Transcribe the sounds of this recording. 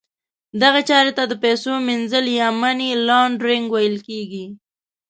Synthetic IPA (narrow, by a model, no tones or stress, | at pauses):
d̪aɣat͡ʃɑɾet̪ad̪əpɛsominzəljamanilɑɳɖɾɪŋɡwajəlkeɡi